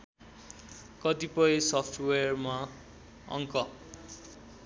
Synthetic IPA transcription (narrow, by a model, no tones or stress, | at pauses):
kʌt̪ipʌisʌpʰʈʰweʌrma | ʌ̰ŋkʌ